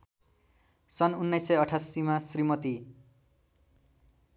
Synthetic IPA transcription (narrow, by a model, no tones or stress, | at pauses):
sʌnunːʌjsːʌjʌʈʰasimasrimʌt̪i